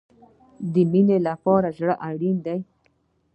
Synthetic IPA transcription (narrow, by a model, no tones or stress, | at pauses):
d̪əminelapɑɾaʒɽəʔaɽind̪aj